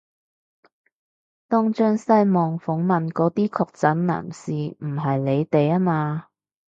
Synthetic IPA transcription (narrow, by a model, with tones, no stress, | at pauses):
t̪ɔː˧ŋt͡ʃœː˧ŋsɐ˧jmɔː˨˩ŋfʊ˨˥ŋmɐ˨nkɔː˨˥t̪iː˥kʰɔː˧k̚t͡sɐ˨˥nna̰ː˨˩msiː˨m̩˨˩ɦɐ˨jle˨˧jt̪e˨jaː˥maː˧